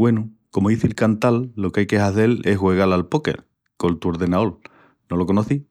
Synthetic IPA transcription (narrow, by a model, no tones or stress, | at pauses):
we̞nuko̞moðiθilkant̪alːo̞keajke̞ɦaθe̞le̞ɦɣwe̞ɣalalpo̞kḛɾ | ko̞lt̪uo̞ɾðe̞nao̞l | no̞lo̞ko̞noθi